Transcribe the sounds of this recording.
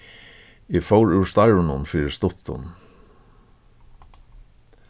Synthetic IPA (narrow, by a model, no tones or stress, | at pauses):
ifowɹʉːɹst̪aɪɹʊnʊnfɪːɾɪst̪ʊt̪ʰːʊ̰n